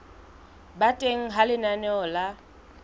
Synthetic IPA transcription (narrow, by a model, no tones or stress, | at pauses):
batʼeŋ̩ɦalɪnanɛɔla